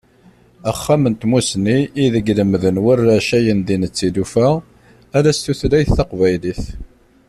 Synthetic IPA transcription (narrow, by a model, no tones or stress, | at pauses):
æχːæmənt̪musniiðəɡləmðənwərːæʃæjənd̪inət͡sːid̪ufæ | ælæst̪uθɾæjθːɑqvæjliθ